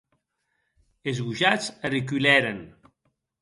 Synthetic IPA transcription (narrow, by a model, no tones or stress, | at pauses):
ezɣuʒat͡sərik̬ylɛɾen